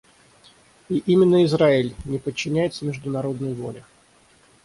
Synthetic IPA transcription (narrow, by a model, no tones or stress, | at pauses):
iʔimʲɪnːəɪzɾaɪlʲnʲɪpət͡ɕːɪnʲæjɪt̪səmʲɪʐd̪ʊnɐɾo̞d̪nəjəvo̞̰lʲɪ